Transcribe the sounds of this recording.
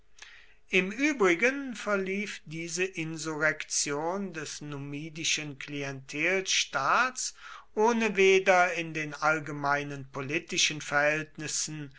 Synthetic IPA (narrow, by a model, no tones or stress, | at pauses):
ʔɪmʔyːbʁɪɡənfɛɐliːfdiːzəʔɪnzuʁɛkt͡sjoːndɛsnumiːdɪʃənkliɛntʰeːlʃtaːtsʔoːnəveːdɐɪndeːnʔalɡəmaɪnənpolitɪʃənfɛɐhɛltnɪsn̩